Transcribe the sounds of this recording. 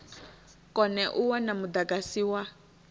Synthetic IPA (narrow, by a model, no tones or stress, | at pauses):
kɔnɛʔuwanamud̪aɡasiːwa